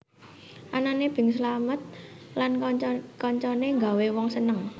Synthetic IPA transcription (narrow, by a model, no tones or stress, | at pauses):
ʔananeb̥ɪ̤ŋslamət̪̚ | lankɔɲt͡ʃɔneŋɡa̤wewɔŋsənəŋ